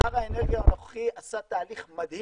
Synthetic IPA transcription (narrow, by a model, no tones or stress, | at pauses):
aʁaeneʁɡijaanoχχiasat̪aːliχmad̪hi